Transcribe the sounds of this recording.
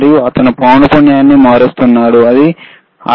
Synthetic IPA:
ɾjuɐt̪ɐnupaːnɐpuɳjaːnːimaːɾist̪unːaːɽuɐd̪i | ɐ̰

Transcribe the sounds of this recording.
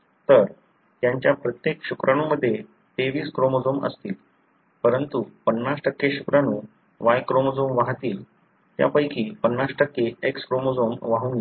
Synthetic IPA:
t̪əɾ | t̪jaɲt͡ɕjapɾət̪jekɕukɾʔañuməd̪ʱːje | t̪eʋiːskɾomod͡zomə̰st̪iːl | pəɾənt̪upənːasʈəkːeɕukɾanũː | ʋajkɾomod͡zomʋaɦt̪iːl | t̪ja̰pəjkiːpənːasʈəkːeekskɾomod͡zomʋaɦuːnɡe

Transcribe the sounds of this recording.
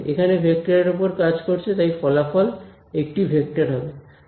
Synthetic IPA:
ʔḛkʰanebʱek̚ʈaɾeɾop̬oɾkad͡ʑkoɾt͡ɕʰet̪ajfɔlafɔl | ek̚ʈibʱek̚ʈaɾɦɔbe

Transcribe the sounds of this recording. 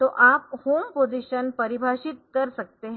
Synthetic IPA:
t̪oʔap̚hompod͡ziɕənpəɾibʱaɕit̪̚kəɾsək̚t̪eɦ

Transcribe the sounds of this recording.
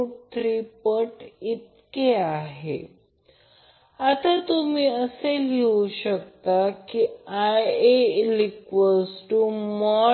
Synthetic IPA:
ut̪ɾipəʈit̪keaɦḛ | at̪at̪umiːəseleuɕəkt̪akiajelikʋəsʈumɔ

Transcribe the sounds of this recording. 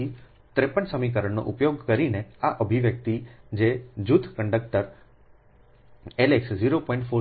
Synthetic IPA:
i | t̪ɾepəɳsəmik̬əɾəɳno̰ʔupjoɡkəɾineaʔəbʱiʋjək̚t̪id͡ʒed͡ʒud̪ʰʱkəɳɖək̚ʈəɾ | eleksd͡ʒiɾopɔ̃ĩɳʈfʰo

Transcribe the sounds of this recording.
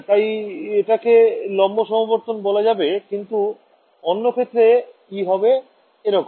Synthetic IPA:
t̪ajeʈakelɔmːoʃɔmaboɾt̪onbolad͡ʑabekint̪u | onːokʰet̪ːɾekiɦɔbe | enoko

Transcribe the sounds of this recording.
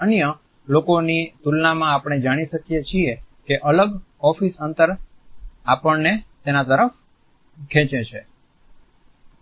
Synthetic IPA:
ənjə | lokonit̪ulnamãapɽ̃ed͡ʒaɽ̃iʃəkijet͡ʃʰiekeʔələɡɔfisənt̪əɾ | apəɳnet̪enat̪əɾəf | kʰɛ̃t͡ʃet͡ʃʰe

